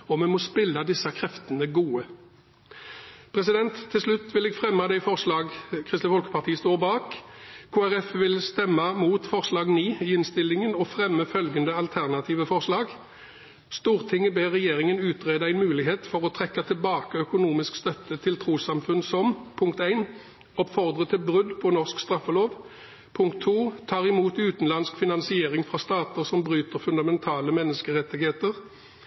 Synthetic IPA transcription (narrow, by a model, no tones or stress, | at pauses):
ɔmɛmɔspɪlːɑd̪ɪsːɑkʰʁɛft̪ənəɡuːə | pʰʁɛsɪd̪ɛnt̪ʰːɪlslʉt̪ːʋɪlɛɡfʁɛmːɑd̪æɪfɔʁʂlɑːɡkʰʁɪst̪əfɔlkə̥pɑʁt̪ʰiːəst̪oːʁbɑːkkʰuːæʁɛfʋɪlst̪ɛmːɑmuːt̪fɔʁslɑːɡniːiːɪnst̪ɪlɪŋənɔfʁɛmːəfœlɡənd̪əɑlt̪ʰæʁnɑt̪ʰiːʋəfɔʁslɑːɡ | st̪uːʁt̪ʰɪŋːəbeːʁːɛjeːʁɪŋənʉːt̪ʁeːd̪əæɪnmʉːlɪɦeːt̪fɔʁɔt̪ʰʁɛkːət̪ʰɪlbɑːkəœkʊnuːmɪskst̪œt̪ːət̪ʰɪlt̪ʰʁuːsɑmfʉnsɔmpʰʊŋkt̪æɪn | ɔpfɔʁd̪ʁət̪ʰɪlbʁʉd̪pʰɔnɔʁskst̪ʁɑfɔloːʋ | pʰʊŋk̚t̪ʰːuːt̪ʰɑːʁɪmuːt̪ʉːt̪n̩lɑnskfɪnɑnsɪeːʁɪŋfʁɑst̪ɑːt̪əʁsɔmbʁyːt̪əʁfʉnd̪ɑmɛnt̪ʰɑːləmɛnːəskəʁɛt̪ːɪɡheːt̪əʁ